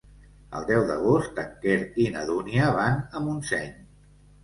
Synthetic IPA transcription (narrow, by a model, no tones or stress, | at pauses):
ə̰lˠd̪ɛwðə̰ɣ̞ost̪əkeɾinəðuniəβanəmunsɛɲ